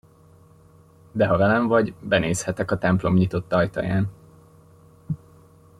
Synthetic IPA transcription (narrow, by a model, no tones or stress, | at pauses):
d̪ɛɦɒvɛlɛɱvɒɟbɛneːshɛt̪ɛkɒt̪ɛmplo̞mɲit̪o̞t̪ːɒjt̪ɒ̰ja̰ːn